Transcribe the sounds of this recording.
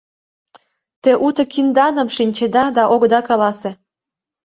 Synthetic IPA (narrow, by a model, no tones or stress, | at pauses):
t̪eʔut̪ɤ̆kind̪ɑnə̆mʃinʲt͡ɕed̪ɑd̪ɑʔoɣd̪ɑkɑlɑse